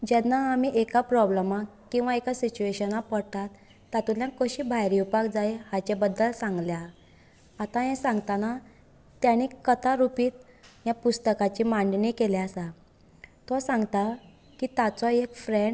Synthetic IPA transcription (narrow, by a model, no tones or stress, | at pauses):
d͡ʑɛnːaːmiʔekapɾɔbləmakːĩw̃ʋaekasit͡ɕueɕənapəɽt̪at̪ː | at̪uljãkəɕiːbʱajɾiupakd͡zajhat͡ɕebəd̪ːəlsãŋɡljaː | t̪ãjɛ̃sãŋɡt̪ana | t̪jaɽ̃ikət̪aɾupiːt̪ | japust̪əkat͡ɕiːmãɳɖnikelɛasa | t̪ɔsãŋɡt̪a | kit̪at͡sɔekfɾeɳɖ